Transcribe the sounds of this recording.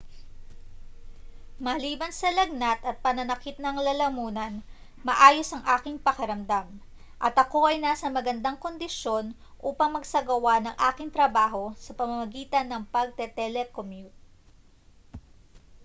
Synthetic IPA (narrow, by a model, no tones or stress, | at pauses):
mɐliːbɐnsɐlɐɡ̚nɐt̪ɐt̪̚pɐnɐnɐkɪt̪̚nɐŋlɐlɐmuːnɐn | mɐʔaːjo̞sɐŋʔaːkɪŋpɐkɐɾɐmd̪am | ʔɐt̪ɐko̞ʔɐjnasɐmɐɡɐnd̪aŋko̞nd̪ɪʃjo̞n | ʔuːpɐŋmɐɡsɐɡɐwanɐŋʔaːkɪŋt̪ɾɐbaːɦo̞sɐpɐmɐmɐɡiːt̪ɐnːɐŋpɐɡ̚t̪ɛt̪ɛlɛkomjut̪̚